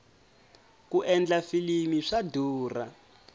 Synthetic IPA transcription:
kuʔɛnd͡ɮafilimiʂaduːra̰

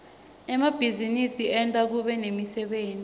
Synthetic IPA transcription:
ɛmab̥ʱizinisiɛntʼak̬uɓɛnemisɛɓeːnʼi

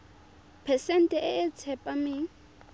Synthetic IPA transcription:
pʰɛsɛn̩tʼɛʔɪɪt͡sʰɛpʼamɪ

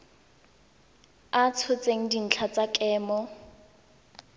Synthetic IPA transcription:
at͡sʰʊt͡sʼeŋ̩din̩t͡ɬʰat͡sakʼɛːmɔ

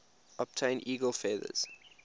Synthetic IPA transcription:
ɔb̚tʰẽɪ̃nʔiːɡəlˠfɛːðə̰z̥

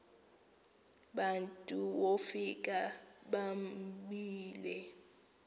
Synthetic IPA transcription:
ɓantʼuwofik̬ʼaɓamɓiːlɛ

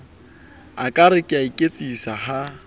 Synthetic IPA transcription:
akʼaɾɪkʼɪaikʼet͡sʼisaɦa

